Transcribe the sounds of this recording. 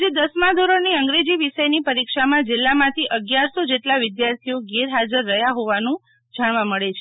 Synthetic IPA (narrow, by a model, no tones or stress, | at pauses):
d͡ʒed̪əsmad̪ʱoɾoniəŋɡɾed͡ʒiʋiʃəjnipəɾikʃamãd͡ʒɪlːamãt̪ʰiʔəɡjaɾsod͡ʒeʈlaʋɪd̪jaɾt̪ʰioɡeɾɦad͡ʒəɾːəɦjaɦoʋanũ | d͡ʒaɽ̃ʋãməɭet͡ʃʰe